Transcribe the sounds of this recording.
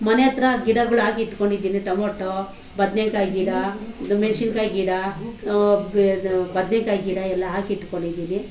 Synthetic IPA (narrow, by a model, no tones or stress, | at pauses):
mɐnejɐt̪ɾɐɡiɽɐɡɐɭuaːɡiʈːkoɳɖid̪iːniʈɐmoʈːo | bɐd̪nekaːjɡiɽamenʃinkaːjɡiɽa | bɐd̪nekaːjɡiɽaɛlːɐaːɡiʈːkoɳɖid̪iːni